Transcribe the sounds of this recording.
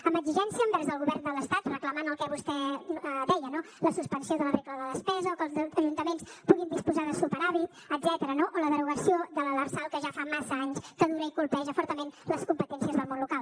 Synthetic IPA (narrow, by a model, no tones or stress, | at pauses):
əmbəɡziʒɛnsiəːmbɛɾzðəlˠɣuβɛrnd̪ələst̪at̪rəkləmanəlˠkɛβust̪ɛd̪ɛjəno | ləsuspənsioðələβekləðəðəspɛzəokəlˠzəʒunt̪əmenspuɣind̪ispuzaðəsupəɾaβi | əd̪zɛt̪əɾənoʔoləðəɾuɣəsioðələlərsalˠkəʒafamasəaɲskəðuɾəikulˠpɛʒəfɔɾt̪əmenləskumpət̪ɛnsiəzðəlmonlukalˠ